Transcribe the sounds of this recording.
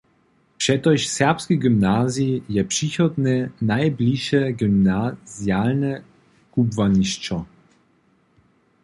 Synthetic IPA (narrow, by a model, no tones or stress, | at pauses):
pʂɛt̪ɔʃsɛʁpskʲiɡymnazijɛpʂixɔd̪nɛnajblʲiʃɛɡymnaz̥jalnɛ | kubvaɲiʃt͡ʃɔ